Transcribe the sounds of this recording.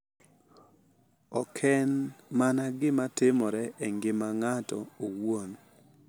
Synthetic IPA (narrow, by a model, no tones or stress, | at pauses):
ɔkʰɛnmanaɡɪmatɪmɔɾɛɛŋɡɪmaŋatɔowon